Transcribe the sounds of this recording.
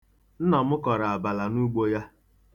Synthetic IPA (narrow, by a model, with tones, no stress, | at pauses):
n̩˦nɔ˨mʊ˦kɔ˨ɾa˨a˨ba˨la˨nu˦ɡ͡bo˦ja˦